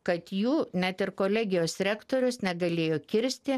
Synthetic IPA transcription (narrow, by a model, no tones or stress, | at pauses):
kɐt̪juːnʲæt̪ɪɾkoːlʲɛːɡʲɪjoːsɾʲæːkt̪oːɾʲʊsnʲɛɡɐlʲeːjoːkʲɪɾʲsʲt̪ʲɪ